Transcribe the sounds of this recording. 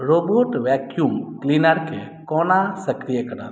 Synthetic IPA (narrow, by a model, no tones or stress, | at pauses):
ɾoboʈʋɛkjumklinəɾkʰḛ | kɔnasəkɾijəkəɾa̰ɾ